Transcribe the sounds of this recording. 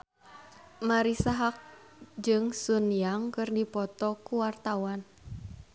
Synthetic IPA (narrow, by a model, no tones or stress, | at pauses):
maɾisaɦak̚ | d͡ʒɨŋsunjaŋkɨrdipɔt̪ɔkuwart̪awan